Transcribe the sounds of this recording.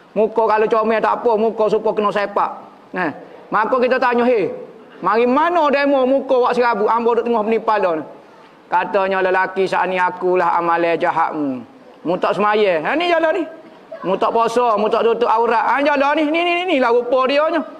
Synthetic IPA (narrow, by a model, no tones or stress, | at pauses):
mukokalot͡ʃomɛt̪a̰ʔpɔmukos̬upɔkənɔsepaʔ | nɛmakɔkit̪ɔt̪aɲɔɦe | maɣimanɔdamomukowaʔsiɣabuʔambɔdoʔt̪əŋɔhpənipalɔnɔ | kat̪ɔɲɔləlakisa̰ʔniakulaɦa̰malɛd͡ʒaɦa̰ʔmu | mut̪ɔʔsəmajɛanid͡ʒalɔnih | mut̪ɔʔposɔmut̪ɔʔt̪ut̪ʊʔauɾaʔand͡ʒalɔnihninininilahɣupɔdiɔɲɔ